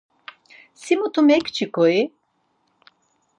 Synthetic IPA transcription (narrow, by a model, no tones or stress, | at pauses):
simut̪ʰumɛkt͡ʃʰikɔi